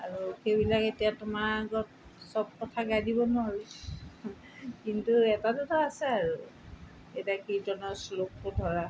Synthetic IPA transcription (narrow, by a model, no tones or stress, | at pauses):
aɹuxejbilaketijatʊmaɡɔt̚ | sɔb̚kɔtʰaɡajdibɔnɔɦaɹi | kintuɛtatutɔasɛaɹu | etakizɔnɔslok̚pʊdʱɔɹa